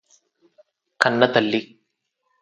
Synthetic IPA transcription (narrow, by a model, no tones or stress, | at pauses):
kɐnːɐt̪ɐlːi